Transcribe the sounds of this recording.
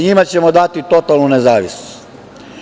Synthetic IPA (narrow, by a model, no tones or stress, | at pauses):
ɲimat͡ɕe̞mod̪at̪it̪o̞t̪alˠnunezaːʋisno̥st̪